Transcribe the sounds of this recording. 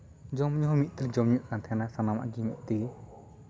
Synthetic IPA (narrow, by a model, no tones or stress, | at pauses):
d͡ʒɔmɲɔɦɔmit̪̚ˀt̪ild͡ʒɔmɲuʔkant̪ʰɛnasanama̰ɡimiʔ̚d̪i